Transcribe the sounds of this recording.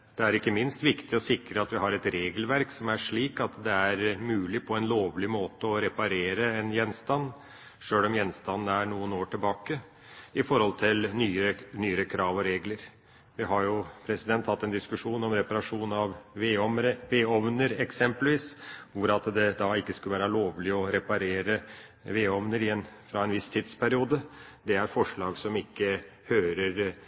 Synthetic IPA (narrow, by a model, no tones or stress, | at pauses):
d̪̥ɛæɾɪkːəmɪnst̪ʋɪkt̪ɪɔsɪkɾəɑt̪ʋɪɦɑɾɛt̪ɾeːɡəlʋæɾksɔmæʂɭiːkɑt̪d̪ɛæɾmʉːlɪpʰɔɛnloːʋlɪmoːt̪əɔɾɛpɑɾeːɾəɛnjɛnːst̪ɑnː | ʂøːlɔmjɛnst̪ɑnːəæɳuːənoːʈɪlbɑːkə | ɪfɔɾhɔlt̪ʰɪlnyːəənyːəɾəkʰɾɑːʋɔɾeːɡləɾ | ʋɪɦɑɾjʊpʰɾɛsɪd̪ɛnt̪hɑt̪ːɛnd̪ɪskʉʂuːnɔmɾɛpɑɾɑʂuːnɑʋʋeːɔmɾəʋeːɔʋnəɾɛksɛmpəlʋiːsʋʊɾɑt̪d̪ɛd̪ɑɪkːəskʉləʋæːɾɑloːʋlɪɔɾɛpɑɾeːɾə | ʋeːɔʋnəɾɪɛnfɾɑɛnʋɪst̪ʰiːd̪spʰæɾɪuːd̪əd̪ɛæɾfɔʂɭɑːɡsɔmɪkːə | høːɾəɾ